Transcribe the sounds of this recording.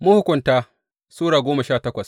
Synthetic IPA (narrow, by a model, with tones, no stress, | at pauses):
mʊ˦hʊ˦kʷʊ˨ntaː˦ | suː˦ɽaː˨ɡʷoː˦ma˨ʃaː˦˨tɐ˦kʷɐ˨s